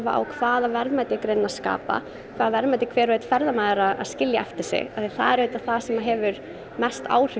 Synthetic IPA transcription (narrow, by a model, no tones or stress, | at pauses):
va̰ʔa̰wkʰvaːðavɛɾvmaːjt̪ɪkɾejnːaska̰ːpa̰ | kʰvaːðavɛɾmajt̪ɪkʰvɛːɾvejt̪fɛɾðamaːðɪɾaða̰ðscɪljaɛft̪ɪ̥sɪ̰aθiθa̰ðɛɾeːt̪aθasɛmaɦɛvʏɾ | mɛst̪ʰa̰ːwr̥ʏ